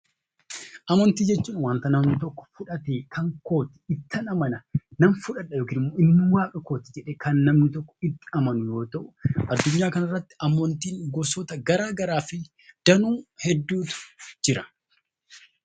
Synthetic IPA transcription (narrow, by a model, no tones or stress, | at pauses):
ʔɐmɐnt̪iːd͡ʒɛt͡ʃːuːnwaːnt̪ɐnɐmnɪt̪ɔkːɔ̥fʊᶑɐt̪eːkʰɐŋko̞ːt̪ɪ̥ɪt̪ːɐnɐmɐnɐnɐmfʊᶑɐᶑɐjoːkiːnɪmːoːʔɪnːɪwaːkʼɐko̞ːt̪ɪ̥d͡ʒɛᶑeːkɐnːɐmnɪt̪ɔkːɔ̥ɪt̪ːɪ̥ɐmɐnʊjo̞ːt̪ɐʔʊʔɐd̪ːʊɲːaːkɐnɐrːɐt̪ːɪ̥ɐmːɔnt̪iːŋɡɔsɔt̪ɐɡɐɾaːɡɐɾaːfɪ | d̪̥ɐnuːhɛd̪ːuːt̪ʊ̥d͡ʒɪɾɐ̥